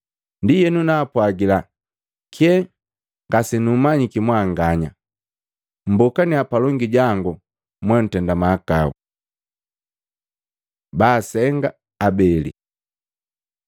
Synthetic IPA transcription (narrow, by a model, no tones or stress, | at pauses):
ndijɛnunaːpwaɡila | kʰɛ | ŋɡasɛnumaɲikimwaːŋɡaɲa | m̩bɔkaniapalɔŋɡiɟaŋɡu | mwan̩tɛndamaːkaṵ | baːsɛŋɡa | abɛlḭ